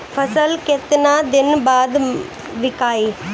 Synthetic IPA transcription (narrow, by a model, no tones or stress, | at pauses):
fʰɐsɐlket̪naːd̪ɪnbaːd̪ | ʋɪkaːi